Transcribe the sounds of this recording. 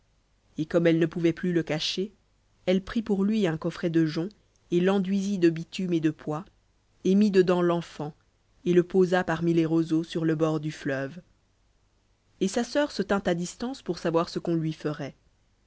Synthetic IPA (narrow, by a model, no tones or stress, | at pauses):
ekɔmɛlnəpuvɛplyləkaʃe | ɛlpχipuʁlɥiɛ̃kɔfχɛd̪əʒɔ̃ | elɑ̃d̪ɥizid̪əbit̪ymed̪əpwa | emid̪əd̪ɑ̃lɑ̃fɑ̃ | eləpozapaʁmileʁozosyʁləbɔʁd̪yflœv | esasœʁsət̪ɛ̃t̪ad̪ist̪ɑ̃spuʁsavwaʁsəkɔ̃lɥifəʁɛ